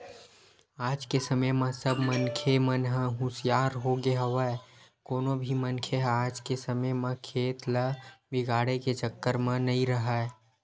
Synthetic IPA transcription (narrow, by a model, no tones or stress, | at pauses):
aːd͡ʒkesəməjmə̃səbmənkʰemənɦə̃ɦʊsjaːɾɦoɡeɦəʋəekoːnobʱimənkʰeaːd͡ʒkesəməjmə̃kʰeːt̪ləbɪɡaːɽeket͡ʃəkːəɾmə̃nəĩɾəɦəe